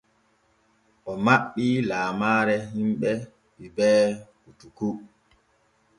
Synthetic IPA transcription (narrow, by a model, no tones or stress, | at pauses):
ʔɔmaɓːilaːmaːɾɛhimɓɛ | ɓibɛːkutuku